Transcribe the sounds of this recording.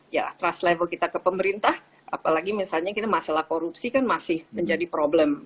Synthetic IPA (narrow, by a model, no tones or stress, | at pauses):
ja̰t̪ɾaslɛvəlkit̪akəpəməɾint̪ah | ʔa̰palaɡimisalɲakit̪amasalahkoɾupsikanmasɪhməɲd͡ʒadipɾoblɛm